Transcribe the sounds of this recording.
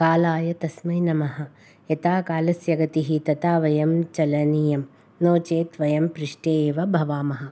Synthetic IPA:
kaːlaːjɐt̪ɐsmɐjnɐmɐɦɐ̆ | et̪aːkaːlɐsjɐɡɐt̪iɦit̪ɐt̪aːʋɐjɐmt͡ʃɐlɐnijɐm | noːt͡ʃeːt̪ʋɐjɐmpɾiʂʈeʋɐbʱɐʋaːmɐɦɐ̆

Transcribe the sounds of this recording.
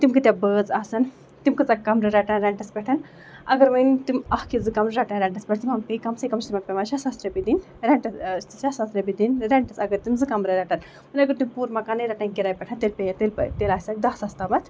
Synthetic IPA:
t̪imkɨt̪ʲjabəːt͡saːsɐn | t̪imkɨt͡sakːɐmɾɐɾɛʈɐnɾɛɳʈɐspʲɛʈʰɐn | ɐɡɐɾmɐjnt̪imɐhkizɨkɐmɾɨɾaʈɐnɾɛɳʈɐspʲɛʈʰt̪ʰimɐmkɐikɐmsɐkɐmt͡ʃit̪imɐk̚pʲemaːʃɐsasɾɐpid̪in | ɾɛɳʈɐʃasasɾɐbid̪inɾɛɳʈɐsɐɡɐɾt̪imzɨkɐmɾɐɾɛʈɐn | mɐnʲɐɡɐɾt̪umʲpuːɾmɐkaːnɐɾɐʈaːnkiɾaːjpʲɛʈʰɐnt̪elpejt̪elpɐ̰t̪elaːsʲak̚d̪asɐst̪amɐt̪ʰ

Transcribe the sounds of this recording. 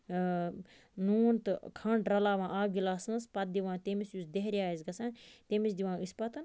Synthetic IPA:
nuːnt̪ɨkʰɐɳʈɾɐlaːʋãːʔaːbɡilaːsnspɐt̪̚d̪iʋãːt̪emisjusd̪eɦɾiaːizɡɐsãːnt̪emisd̪iʋãːispɐt̪ɨn

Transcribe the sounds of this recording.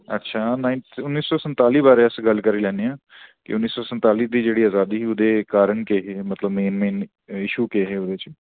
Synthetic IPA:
ətːʃʰaːnaːɪnʊnːiːsɔːsənt̪aːliːbaːɾeːəsɡəlkəɾiːlɛ̃ːneːãː | kɪ̰ʊnːiːsɔːsənt̪aːliːd̪iːd͡ʒeːɽiːaːzaːd̪iːʊd̪eːkaːɾəɳkeːɦeːmət̪ləbmeːnmeːn | ɪʃuːkeːɦeːod̪eːt͡ʃ

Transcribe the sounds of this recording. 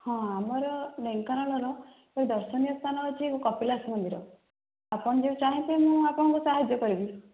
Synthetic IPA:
hɔ̃amɔɾɔleŋkɔnɔɭɦɔlõ | pɔɾid̪ɔɾsɔnijɔst̪ʰanɔɦt͡ʃʰikkɔpilasmɔnd̪ʱiɾɔ | apɔɽ̃ɔd͡ʒeũt͡ʃaɦĩt̪ʰemũapɔɽ̃ɔ̃ŋkusaɦad͡ʒjɔkɔɾibi

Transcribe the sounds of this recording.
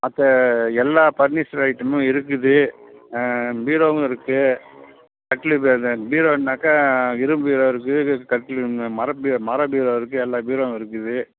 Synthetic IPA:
ɐt̪ːɐɛlːaːpɐɾnisɐɾɐɪʈːɐmʊ̃ɪɾɯk̬ːɯðɯ | biːɾoːŋɡɪɾɯkːɯ | kɐʈːɪlɯbɐnbiːɾoːnnːaːkːaːɪɾɯmbiːɾoːɪɾɯk̬ːɯkɐʈːɪlmɐɾɐbimɐɾɐbiːɾoːɪɾɯk̬ːɯɛlːaːbiːɾoːŋɡɪɾɯk̬ːɯðɯ

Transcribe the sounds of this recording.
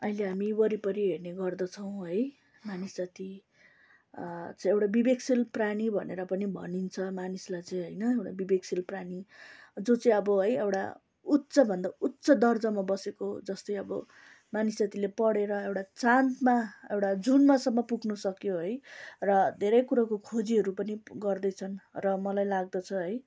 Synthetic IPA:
ʌileɦamibʌɾipʌɾiɦeɽneɡʌrd̪ʌt͡sʰʌw̃ɦʌj | manisd͡zat̪i | t͡sʌĩewʈabibeksilpranibʱʌneɾʌpʌnibʱʌ̰nint͡sʰʌmanislajt͡sʌj̃ɦʌjnʌewʈabibeksilpranid͡zot͡saĩʌbʌɦʌjewʈa̰ | ut̪ːsʌbʱʌnd̪aut̪sʌd̪ʌrd͡zʌmabʌsekod͡zʌst̪ʌjʌbʌ̰ | manisjat̪ilepʌɽeɾʌewʈat͡sant̪maewʈad͡zunmasʌmːʌpuɡnusʌkjoɦʌjrʌd̪ʱeɾʌjkuɾakokʰod͡ziɦʌɾupʌniɡʌrd̪ʌjt͡sʰʌnrʌmʌlajlaɡ̚d̪ʌt͡sʰʌɦʌj

